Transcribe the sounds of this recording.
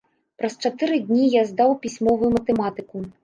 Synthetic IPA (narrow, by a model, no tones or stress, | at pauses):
pɾɐst͡ʂat̪ɨɾɨd̪ʲnʲijazd̪awpʲisʲmɔvujumɐt̪ɛmat̪ɨku